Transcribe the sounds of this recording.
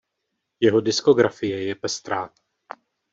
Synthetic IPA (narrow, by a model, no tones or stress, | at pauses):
jɛɦo̞dɪsko̞ɡɾafɪjɛjɛpɛst̪ɾaː